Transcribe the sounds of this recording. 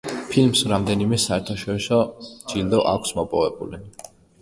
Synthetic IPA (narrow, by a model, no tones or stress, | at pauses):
pʰilmsɾamd̪ɛnimɛsaɛɾt̪ʰaʃɔɾisɔd͡ʒild̪ɔʔa̰kʷʰsmɔpʼɔvɛbṵli